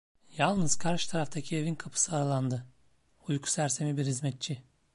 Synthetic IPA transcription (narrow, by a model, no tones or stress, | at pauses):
jalˠnɯzkʰaɾʃt̪ʰaɾaft̪ʰacʰie̞vinkʰapʰɯ̥sɯaɾalˠand̪ɯ | ujkʰu̥sæɾse̞mibiɾhizmɛt̪̚t͡ʃʰi